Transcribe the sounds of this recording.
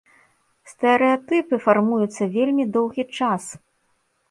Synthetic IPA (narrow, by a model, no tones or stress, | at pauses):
st̪ɛɾɛjat̪ɨpɨfarmujut̪sːɐvʲelʲmʲid̪ɔwɣʲit͡ʂas